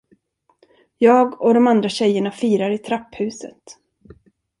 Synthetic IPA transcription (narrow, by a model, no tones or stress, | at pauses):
jɑːɡɔd̪ɔmand̪ɾaɕɛjːəɳafiːɾaɾɪt̪ʰɾapːhʉ̟ːsə̰t̪